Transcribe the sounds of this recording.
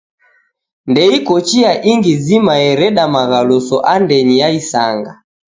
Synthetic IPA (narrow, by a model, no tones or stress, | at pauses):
ndɛikɔt͡ʃiaʔiŋɡizimaɛɾɛɗamaɣalɔsɔʔandɛɲijaisaŋɡa̰